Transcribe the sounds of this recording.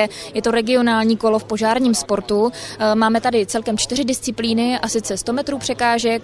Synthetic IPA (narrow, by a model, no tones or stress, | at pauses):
ɛjɛt̪o̞ɾɛɡɪo̞naːlɲiːko̞lo̞fpoʒaːɾɲiːmspo̞ɾt̪umaːmɛt̪adɪt͡sɛlkɛmt͡ʃt̪ɪrɪdɪst͡sɪpliːnɪʔasɪt͡sɛst̪o̞mɛt̪ɾuːpr̝̥ɛkaːʒɛk̚